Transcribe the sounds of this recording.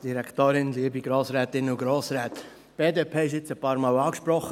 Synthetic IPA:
d̥iɾɛkʰt̪oːɾɪnliːəbiɡɾoːsɾɛːt̪ɪnuɡɾoːsɾɛːt̪ | b̥eːdeːpʰeːɪʃɪt͡səpɑːɾmɑːwɑːkʃpɾɔχə

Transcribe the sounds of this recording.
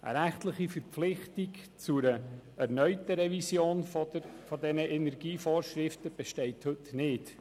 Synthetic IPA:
ʔə̰ɾæχtləχifəɾp͡flɪχtikt͡suɾəæɾnœʏtəɾɛvisjoːnfɔdɛnəʔɛnɛɾɡ̥iːfoːɾʃɾɪftəb̥ɛʃtɛɪthɵtnɪːt

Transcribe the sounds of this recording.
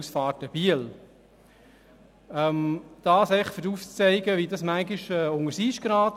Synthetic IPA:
sfɑːrtəb̥iəl | ɛmd̥ɑːsɛɪfʏduft͡sɛɪɡəʋidɑsmæŋɡiʃɛːʊŋəɾsiːʃɡ̥ɾɑːt

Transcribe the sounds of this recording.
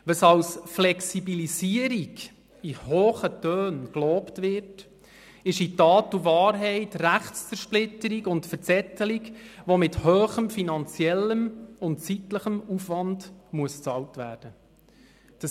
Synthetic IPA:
ʋəsɑwsflɛksibilisiəɾiɡ | ihoːχətøːnkloːptʋɪɾt | ɪʃitɑːtuvɑːɾɦɛɪtræχtt͡sfəɾʃplɪtːəɾikʊntfəɾt͡sɛt̪ːəlikʋomɪthøːχəmfinɑnt͡siɛlːəmʊntt͡sitləχəmufʋɑnd̥muəst͡sɑwtʋæːd̥ə | d̥ə

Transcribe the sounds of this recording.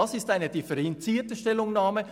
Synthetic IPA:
ɑsɪstaɪnədɪfɛɾɛnt͡siːətəʃtɛlʊŋnaːmə

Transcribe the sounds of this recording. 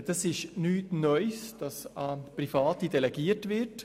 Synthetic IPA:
d̥ɑsɪʃnyːtnœʏsd̥ɑsaprifɑːtid̥ɛlɛɡiːətvɪɾt

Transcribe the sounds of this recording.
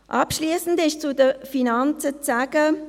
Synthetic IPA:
ʔɑpʃliːsən̩dɪʃt͡sudəfinant͡sət͡saːɡ̥ə

